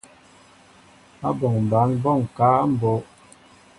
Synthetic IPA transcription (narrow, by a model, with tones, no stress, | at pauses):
a˦bɔ˨ŋm˨ba˨˦nbɔ˦˨ŋ˨ka˨˦a˦m̩˦˨bo˨˦ʔ